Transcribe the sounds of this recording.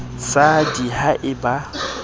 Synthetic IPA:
sadihaʔɪba

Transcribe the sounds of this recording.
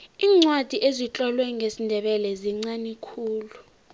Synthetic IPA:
iːŋ͡ǀwad̥ʱiʔezit͡ɬʼɔlwɛŋesindʱɛɓɛlɛziŋ͡ǀanikʰuːlu

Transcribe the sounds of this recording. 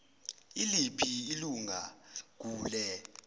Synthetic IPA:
ilipʰiiluŋa̰k̬uːlɛ

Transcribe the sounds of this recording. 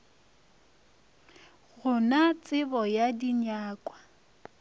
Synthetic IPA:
ɣʊnat͡sʼɪbɔjadiɲaːkʼwa

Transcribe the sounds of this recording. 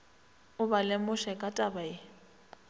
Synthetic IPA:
ʊbalɪmʊʃɛkʼatʼabaɪ

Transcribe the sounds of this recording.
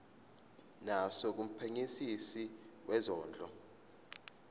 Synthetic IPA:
nasɔk̬um̩pʰeŋisisiwʔɛzɔːnd͡ɮʱɔ

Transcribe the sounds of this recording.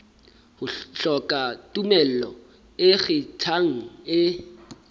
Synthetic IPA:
hʊɬɔkʼatʼumɛl̩lɔ | ɪɣɪtʰaŋ̩ɪ

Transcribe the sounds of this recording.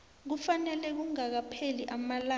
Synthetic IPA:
k̬ufanɛlɛk̬uŋak̬apʰeliʔamala

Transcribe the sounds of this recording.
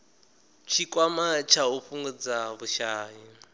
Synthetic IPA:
t͡ʃʰikʼwamat͡ʃʰauɸuŋɡud͡zaβuʃaːji

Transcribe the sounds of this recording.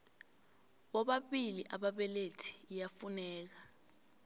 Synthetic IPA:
ɓɔɓaɓiliʔaɓaɓɛletʰi̥ːjafunɛːk̬a

